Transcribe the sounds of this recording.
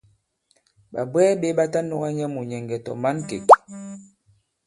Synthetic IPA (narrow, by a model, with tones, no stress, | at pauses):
ɓa̰˨bwɛː˦be˦ɓa˦ta˦nɔ˦ɣa˦ɲɛ˦mu˨ɲɛ˨ŋ˨ɡɛ˨tɔ̰˨ma˦nkḛ˨k